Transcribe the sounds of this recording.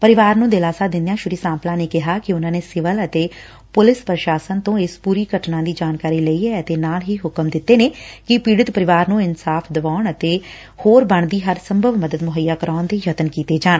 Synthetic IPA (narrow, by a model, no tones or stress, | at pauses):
pəɾɪʋaːɾnũːd̪eːlaːsaːd̪ɪ̃nd̪jãːʃʊɾiːsãːmplãːneːkɪɦaːkɪʊnãːneːsɪʋələt̪eː | pʊlɪspɾəʃaːsənt̪õːɪspuːɾiːɡʱəʈnãːd̪iːd͡ʒaːnkaːɾiːləiːɛːət̪eːnaːlɦiːɦʊkəmd̪ɪt̪ːeːneːkɪpiːɽɪt̪pəɾɪʋaːɾnũːɪnsaːpʰd̪əʋaːɳət̪eː | hoːɾbəɳd̪iːɦəɾsəmbʱəʋməd̪əd̪mʊɦəjːaːkəɾaːnd̪eːjət̪ənkiːt̪eːd͡ʒaːn